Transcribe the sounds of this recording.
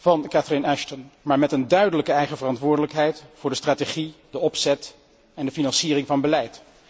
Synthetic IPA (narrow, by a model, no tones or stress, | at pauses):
vɑnkatrenɛʃtɔnmaːɹmɛtəndœɥdələkəɛjχəvərɑntʋʊːɹdələkɦɛjtfʊːɹdəstraːteχidəɔpsɛt | ɛndəfinɑnsiːrɪŋvɑnbəlɛjt